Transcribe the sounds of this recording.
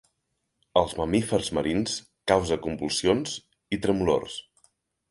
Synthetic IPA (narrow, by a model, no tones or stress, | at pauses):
əlˠzməmifərzməɾins | kawzəkumbulˠsionz | it̪ɾəmulo̰rs